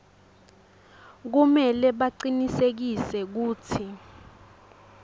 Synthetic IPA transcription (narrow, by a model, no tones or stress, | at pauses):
k̬umɛlɛɓaǀinisek̬isɛk̬uːt͡sʰi